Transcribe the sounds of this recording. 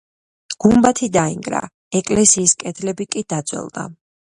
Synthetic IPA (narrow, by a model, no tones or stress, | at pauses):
ɡ̥umbat̪ʰid̪aḭŋɡɾa̰ | ɛkʼlɛsiːskʼɛt̪ʰlɛbikʼid̪̥ad̪zʼwɛ̰lˠd̪̥a̰